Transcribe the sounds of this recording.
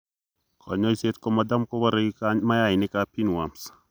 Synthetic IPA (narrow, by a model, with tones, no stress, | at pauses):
kʰɔ̰˨ɲɔ˦i˦se˦t̪kɔ˦ma˨da˦mkɔ˦ba˦ɾe˦ɡi˦ka˦ɲma˦ja˦ɪnɪ˦kapi˦nwa˨ms